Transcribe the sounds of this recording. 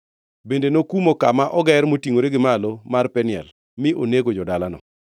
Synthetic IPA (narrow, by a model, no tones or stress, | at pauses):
bendenokumokamaʔɔɡɛrmotiŋoɾeɡɪmalomarpɛnɪɛ̰l | mɪʔoneɡod͡ʒɔdalanɔ̰